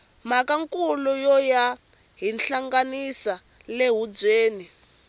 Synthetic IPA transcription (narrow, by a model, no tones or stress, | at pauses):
m̤akaŋkulujɔja | ɦinɬaŋɡanisa | leɦud͡zeːni